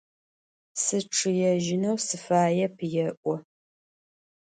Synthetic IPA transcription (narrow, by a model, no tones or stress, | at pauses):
sɨʈ͡ʂʰɨjɛʒɪnɐwsɨfaːjɛpʰjɛʔʷɔ